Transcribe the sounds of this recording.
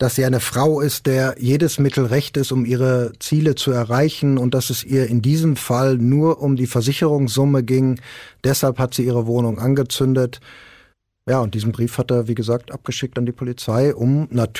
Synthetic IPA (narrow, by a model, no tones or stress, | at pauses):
d̥asz̥iːaɪnəfʁ̥aʊɪst̚d̥eːɐjeːdəsmɪtʰl̩ʁɛçtɪstʊmiːʁ̞ət͡siːlət͡suɛɐʁaɪçn̩ʊnt̚d̥asɛsʔiːɐɪndiːzəmfalnuːɐʔʊmdiːfɛɐzɪçəʁʊŋsz̥ʊməɡɪŋd̥ɛshalphatz̥iːiːʁ̞əvoːnʊŋʔanɡət͡sʏndət | jaːʊnt̚d̥iːzn̩bʁiːfhateːɐviːɡəzaːk̚tʔa̰p̚ɡ̥əʃɪk̚tandiːpʰolit͡saɪʔʊmnatʰ